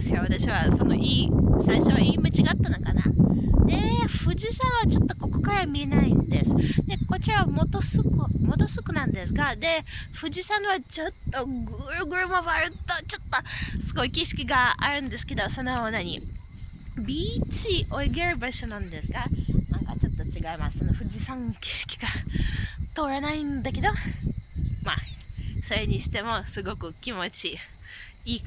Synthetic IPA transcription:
esjoβat̪aɕiβaso̞no̞̰ʔiːsaiɕo̞βaiːmɯt͡ɕiɡaːt̪ːanokana̰d̪eɸɯ̟d͡ʑisãɰ̃βat͡ɕo̞t̪ːo̞ko̞ko̞̥kaɾamʲie̞naĩnd̪e̞sɨ̥d̪e̞ko̞t͡ɕiɾaβamo̞t̪osɨkɯmo̞d̪o̞sɨkɯ̟nãnd̪e̞sɨɡad̪e̞ɸɯ̟ʑisãɰ̃βat͡ɕo̞t̪ːo̞ɡɯɾɯ̟ɡɯ̟ɾɯ̟maβaɾɯ̟t̪ot͡ɕot̪ːosɨɡo̞ikʲiɕi̥kʲiɡaːɾɯ̟̃nd̪e̞sɨ̥ke̞d̪o̞so̞nonaɲ̟i | bʲiːt͡ɕiʔo̞iɡeɾɯ̟baɕonãnd̪e̞sɨɡanãŋkat͡ɕo̞t̪ːo̞t͡ɕiɡaimassonoɸɯ̟ʑisãŋkʲi̥ɕi̥kʲi̥ɡ̥a | t̪o̞ːɾanaĩnd̪ake̞d̪o̞ | ma̰so̞ɾe̞ɲ̟iɕi̥t̪e̞mo̞sɨɡo̞kɯ̟kʲimo̞t͡ɕi | iː

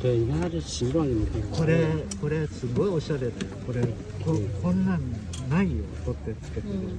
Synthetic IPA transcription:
d̪eimaɾɯɕiɾonimit̪eko̞ɾeko̞ɾe̞sɨɡo̞io̞ɕaɾed̪ajoko̞ɾe | kokõ̞nːãn | naijo̰kot̪ːet͡sɨ̥ke̞t̪eɾ

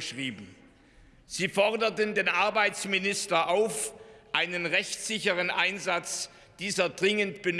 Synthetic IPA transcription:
ʃʁiːbm̩ | z̥iːfɔʁdɐtəndeːnʔaɐbaɪt͡smɪnɪstɐʔaʊfʔaɪnənʁɛçtz̥ɪçəʁənʔaɪnzat͡s | d̥iːzɐdʁɪŋəntb̥ən

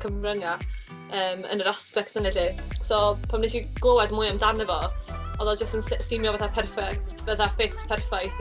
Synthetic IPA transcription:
kʰəmrəŋa | əːmə̰nəɾaspɛk̚tənɛɬisopʰamnejʃiɡ̥lˠowɛdmʊɨəmdanəvɔɔðɔd͡ʒəstənssɪmjɔvɛθapʰɛrfɛktvɛθafeθpʰɛrfajθ

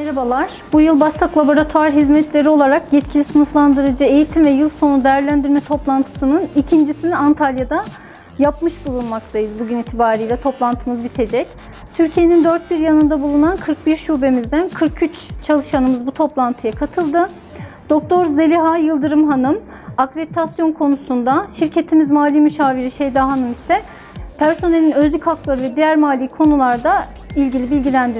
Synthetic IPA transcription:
meɾabalˠaɾ̥b̥ujɯlˠbast̪ʰaklˠabo̞ɾat̪ʰuaɾɦizmɛt̪lʲe̞ɾio̞lˠaɾakjɛt̪̚cʰilʲisɯnuflˠand̪ɯɾɯd͡ʒɯe̞jit̪ʰimvɛjɯlˠso̞nud̪ejæɾlʲænd̪iɾmɛt̪ʰo̞plˠant̪ʰɯ̥sɯnɯnicʰind͡ʒisiniant̪ʰalʲjad̪a | japmɯʃbulˠunmak̚t̪ʰajɯzbuɟynit̪ʰibaːɾɯjlʲɛt̪ʰo̞plˠant̪ʰɯmɯzbit̪ʰe̞d͡ʒɛc | t̪ʰyɾcʰije̞nind̪øɾt̪̚biɾjanɯnd̪abulˠunankʰɯɾk̚biɾʃube̞mizd̪ænkʰɯɾkʰyt͡ʃt͡ʃʰalˠɯʃanɯmɯzbut̪ʰo̞plˠant̪ʰɯjakʰat̪ʰɯlˠd̪ɯ | d̪̥o̞k̚t̪ʰo̞ɾze̞lʲiɦajɯlˠd̪ɯɾɯmɦanɯm | akɾebit̪ʰasjo̞nkʰo̞nusund̪aʃiɾcʰe̞t̪ʰimizmaːlʲiːmyʃaːviɾiʃe̞jd̪aɦanɯmisɛ | pʰæɾso̞ne̞lʲinø̞zlʲychaklˠaɾɯvɛd̪ijæɾmaːlʲiikʰo̞nulˠaɾd̪a | ilʲɟilʲibilʲɟilʲænd̪iɾ

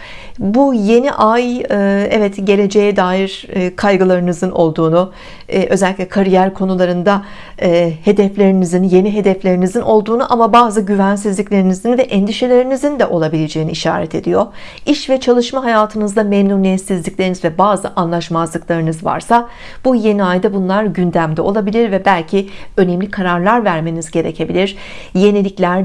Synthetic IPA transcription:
buje̞niʔajɛvɛt̪ɟe̞lʲe̞d͡ʒe̞jɛd̪aːjiɾkʰajɡɯlˠaɾɯnɯzɯno̞lˠd̪uːnu | ʔøzɛlʲicʲlʲɛkʰaɾijæɾkʰo̞nulˠaɾɯnd̪a | he̞d̪ɛflʲe̞ɾinizinje̞niɦe̞d̪ɛflʲe̞ɾinizino̞lˠd̪uːnuʔamabaːzɯɟyvæns̬izlʲiclʲe̞ɾinizinvɛʔɛnd̪iʃe̞lʲe̞ɾinizind̪ɛʔo̞lˠabilʲe̞d͡ʒe̞jinḭiʃa̰ːɾɛt̪ʰe̞d̪ijo̞ɾ | iʃvɛt͡ʃʰalˠɯʃmaɦajaːt̪ʰɯnɯzd̪amɛnunɛsizlʲiclʲeinizvɛbaːzɯʔanlˠaʃmazlˠɯklˠaɾɯnɯzva̰ɾsa | b̥uje̞niajd̪abunlˠaɾɟynd̪æmd̪ɛo̞lˠabilʲiɾvɛbælʲcʰiø̞nemlʲikʰaɾaɾlˠaɾvæɾme̞nizɟe̞ɾe̞̰cʰe̞bilʲiɾ̥ | je̞nilʲiclʲæɾ

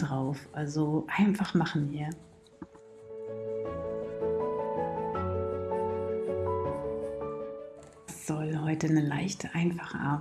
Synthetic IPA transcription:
ʁaʊfʔalzoʔaɪnfaχmaχn̩viːɐ | sz̥ɔlɦɔʏtənəlaɪçtʰəʔaɪnfaχəʔa̰ɐ

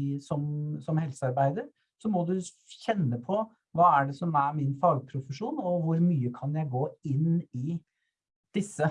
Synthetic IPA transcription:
sɔmsɔmhɛlsəɑɾbæɪd̪əɾ | sɔmɔd̪ʉ | çɛnːəpʰɔ | ʋɑːæɖɛsɔmæɾmɪnfɑːɡpʰɾʊfəʂuːnɔʋʊɾmyːəkʰɑnjæɪɡoːɪnɪ | d̪̥ɪsːə

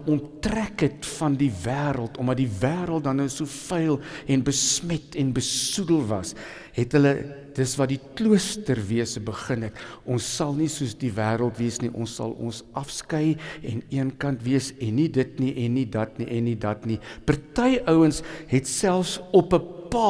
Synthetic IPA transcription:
ɔntrækətfɐndivæːɾəlˠtɔmdɐt̚divæːɾəlˠt̚dɐnəsufəjlˠɛnbəsmɛtʰɛnbəsudəlˠvɐ̰s | ɦɛtɦələ | d̥əsvɐditluəstərviəsəbəχənɦɛtʔɔnsːɐlˠnisuəsdivæːɾəlˠtviəsniʔɔ̰nsɐ̰lˠɔ̰nsɐfskəjɛniənkɐntviəsɛnːidətniʔɛnːidɐtniʔɛnːidɐtnipərtəjʔəwənsɦɛtsælˠfsɔpəpɑ

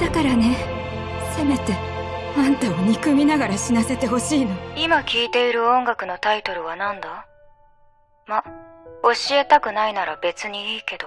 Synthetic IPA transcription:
d̪̥akaɾane̞ | se̞me̞t̪e̞mãnt̪aoɲ̟ikɯ̟mʲinaɡaɾaɕinase̞t̪e̞ɦo̞ɕiːno̞imakʲiːt̪e̞iɾɯ̟õ̞ŋɡakɯ̟no̞t̪ait̪o̞ɾɯ̟βanãnd̪a | mao̞ɕie̞t̪akɯ̟nainaɾabe̞t͡sɨɲ̟iiːke̞d̪o̞

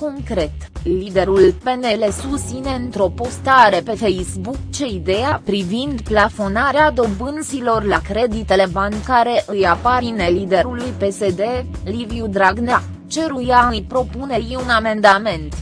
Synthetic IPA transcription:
ko̞ŋkɾe̞t̪llid̪e̞ɾulpe̞ne̞le̞sust̪sine̞ɨnt̪ɾo̞po̞st̪aɾe̞pe̞fe̞jsbukt͡ʃe̞id̪e̞japɾivind̪plafo̞naɾead̪o̞bɨnt̪silo̞rlakɾe̞d̪it̪e̞le̞baŋkaɾe̞ʔɨjapaɾine̞lid̪e̞ɾulujpe̞se̞d̪e̞liviud̪ɾaɡna | t͡ʃe̞ɾujaɨjpɾo̞pune̞iuname̞nd̪ame̞nt̪

